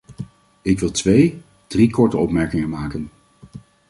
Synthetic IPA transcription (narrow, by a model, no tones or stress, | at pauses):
ɪkʋɪlˠtʋej | d̥rikɔɹtəɔpmɛɹkɪŋəmaːkən